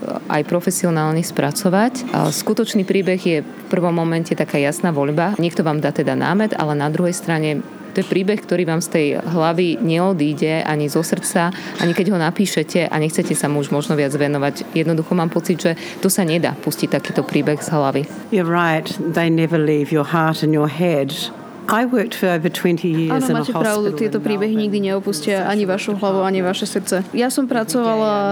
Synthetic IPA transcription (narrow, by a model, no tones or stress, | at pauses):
ʔa̰jpɾɔfɛsiɔnaːlɲɛspɾat͡sɔʋacskut̪ɔt͡ʃniːpɾiːbɛɣjɛ | pr̩ʋɔmːɔmɛncɛt̪akaːjasnaːʋɔʎbaɲɛkt̪ɔʋaːmd̪aːt̪ɛd̪ana̰ːmɛd̪a̰lɛnad̪ɾuɦɛjst̪ɾaɲɛ | t̪ɔjɛpɾiːbɛxkt̪ɔɾiːʋaːmst̪ɛjɦlaʋiɲɛɔld̪iːɟɛʔa̰ɲizɔsr̩t͡saʔa̰ɲikɛɟɦɔnapiːʃɛcɛʔa̰ɲɛxt͡sɛcɛsamuuʒmɔʒnɔʋɪad͡zʋɛnɔʋaɟjɛd̪nɔd̪uxɔmaːmpɔt͡sid̪ʒɛ | t̪ɔsaɲɛd̪a̰ːpuscic̚t̪akiːt̪ɔpɾiːbɛɣz̥ɦlaʋi | jəɹaɪt̪̚ðeɪnɛvə˞livjə˞hɑɹɾɨ̃njə˞ɦɛd | ʔaɪwɜˑ˞k̚tfə˞oʊvə˞tʰw̥ɛ̃ntʰijɪaːznɔ̃maːɛpɾaʊd̪ut̪ɪɛt̪ɔpɾiːbɛɦiɲiɡ̚d̪iɲɛɔpuscɪaʔaɲiʋaʃuɦlaʋuaɲiʋaʃɛsr̩t͡sɛjasɔmpɾat͡sɔʋala